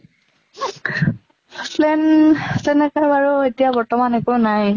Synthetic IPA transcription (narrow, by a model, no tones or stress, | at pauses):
plɛnzɛnɛkaaɹɔetijabɔɹtɔmanɛkonaj